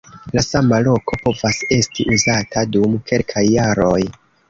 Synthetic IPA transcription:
lasamalo̞kʰo̞po̞vase̞stiʔuzatʰadumke̞lkʰajːaɾo̞j

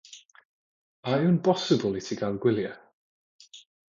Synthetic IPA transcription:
aɨnbʰɔsɪbəlˠitʰiɡalˠɡwɪlˠja

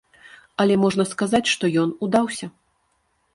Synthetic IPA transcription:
ɐlʲɛmɔʐnɐskazat͡sʲʂt̪ɔjɔnud̪awsʲɐ

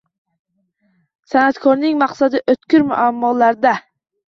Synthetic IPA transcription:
sɛnæt̪kʰɔɾnɪŋmɑqsɑd̪ɨʔøt̪kʲyɾmṵʔæmːɑlæɾd̪ɛ

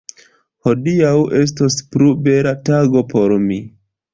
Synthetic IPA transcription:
ho̞diawʔe̞s̬tospɾube̞ɾataɡo̞po̞ɾmi

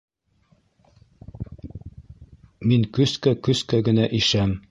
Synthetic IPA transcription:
miŋkɵskækɵskæɡɘ̆næʔiʃæm

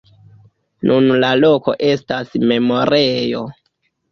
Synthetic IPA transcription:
nunlaloko̞̰ʔe̞stasme̞mo̞ɾʔejo

